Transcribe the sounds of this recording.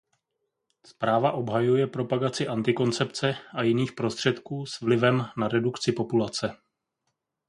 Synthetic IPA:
spɾaːvaʔo̞bɦajujɛpɾo̞paɡat͡sɪʔant̪ɪko̞nt͡sɛpt͡sɛajɪniːxpɾo̞st̪r̝̥ɛt̪kuːsvlɪvɛmnaɾɛdukt͡sɪpo̞pulat͡sɛ

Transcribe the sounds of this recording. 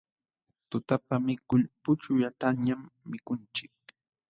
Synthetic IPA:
t̪ʊt̪apamɪkʊʎpʊt͡ʃʊjat̪aŋɲamːɪkʊnt͡ʃɪk̚

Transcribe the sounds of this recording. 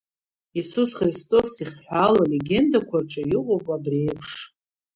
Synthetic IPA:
isusχristʼo̞siχʲħʷalale̞ɡʲe̞ndakʷʰarʈ͡ʂʼajɪqʼowpʼabre̞jpʰʂ

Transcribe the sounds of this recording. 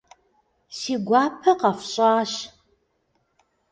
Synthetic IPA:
siːɡʷɑːpʰɐqɐfɕʼɑːɕ

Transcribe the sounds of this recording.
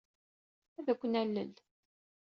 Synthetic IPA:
æðækʷːənælːə̰l

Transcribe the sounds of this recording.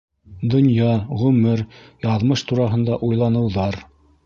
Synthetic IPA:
d̪ŏnjɑʁʉmɘɾjɑðmɤʃt̪uɾɑɦɤ̆nd̪ɑʔujlˠɑnɤ̆wðɑɾ

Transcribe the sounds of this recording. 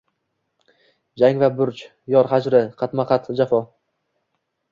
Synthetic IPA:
d͡ʒaŋvabʊɾt͡ʃ | jɒɾhad͡ʒɾɪqʰɑt̪maqʰɑt̪ʰd͡ʒafɒ

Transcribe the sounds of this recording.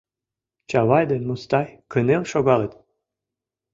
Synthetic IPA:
t͡ɕɑwɑjd̪ə̆must̪ɑjkənelʃoɡɑlet̪

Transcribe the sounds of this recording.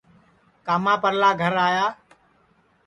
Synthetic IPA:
kaːmãːpəɾlaːɡʱəɾaːjaː

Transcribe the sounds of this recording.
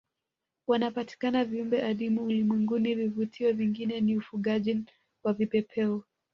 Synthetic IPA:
wanapati̥kanaviumbɛʔaɗimuːlimwɛŋɡunivivutʰiɔviŋɡinɛniufuɠaʄin | wavipɛpʰɛɔ

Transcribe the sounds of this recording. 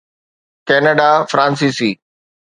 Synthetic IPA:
kɛːnəɖafɾãːns̬iːsiː

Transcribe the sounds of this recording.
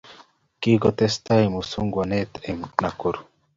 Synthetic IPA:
kiɡot̪est̪aimusuŋɡwanet̪emnakuɾu

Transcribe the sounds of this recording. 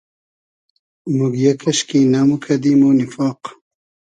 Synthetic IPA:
muɡjɐkʰɐɕkinamukʰɐd̪imoːnifɑːq

